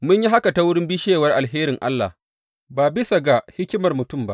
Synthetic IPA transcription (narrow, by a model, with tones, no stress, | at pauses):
mʊ˦ɲji˦ɦa˦ka˨ta˦wʊ˦ɽɪ˦mbi˦ʃeː˦˨wɐ˦rʔa˨lɦeː˦ɾɪ˨ŋʔa̰˦lːa̰˨h | baː˨bɪ˦sa˨ɡa˨hɪ˦kʲɪ˦mɐ˨rmʊ˨tʊ˦˨mba̰˦